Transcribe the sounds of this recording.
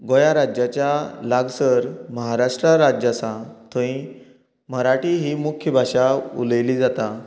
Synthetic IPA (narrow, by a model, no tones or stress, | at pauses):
ɡojaɾad͡ʑat͡ɕjalaɡsəɾməɦaɾaʂʈɾaɾad͡ʑasãt̪ʰəĩ | məɾaʈiɦiːmukʰjəbʱaʂaṵləjliːd͡zat̪a